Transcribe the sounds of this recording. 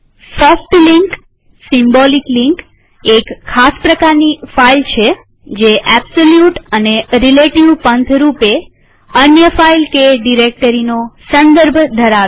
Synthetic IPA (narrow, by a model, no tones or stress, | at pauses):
sɔfʈliŋk | simbolikliŋk | ekʰːaspɾəkaɾnifailt͡ʃʰe | d͡ʒeʔɛbsoljuʈəneɾileʈiʋpənt̪ʰɾupe | ənjəfailkeɖiɾek̚ʈəɾinosə̃nd̪əɾbʱd̪ʱəɾaʋ